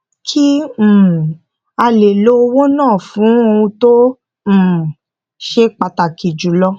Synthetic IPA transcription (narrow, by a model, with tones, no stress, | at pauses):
kʰĩ˦˨ | a˧le˨lo˦˧wo˦nãː˦˨fũ˨˦o˧wũ˧tõ˦˨ | ʃe˦k͡pa˧ta˨ki˨d͡ʒu˨˦lɔ˦